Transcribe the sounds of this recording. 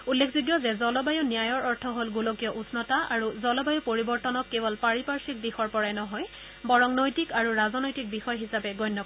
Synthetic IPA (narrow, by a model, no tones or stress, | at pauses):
ulːekʰzuɡjɔzɛzɔlɔbajunijajɔɹɔɹtʰɔɦolɡulokijɔʔusnɔtaaɹuzɔlɔbajupoɹibɔɹtɔnɔkːebɔlpaɹipaɹsik̚dixɔɹpɔɹajnɔɦɔj | bɔɹɔŋnojtikaɹuɹazɔnojtik̚bixɔjɔɦisapɛɡɔjnːɔ